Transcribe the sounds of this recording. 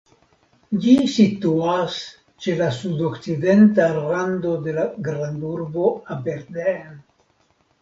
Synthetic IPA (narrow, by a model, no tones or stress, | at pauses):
d͡ʒisit̪uas | t͡ʃe̞lasudokt͡sid̪e̞ntalɾando̞de̞laɡɾanduɾbo̞abeɾden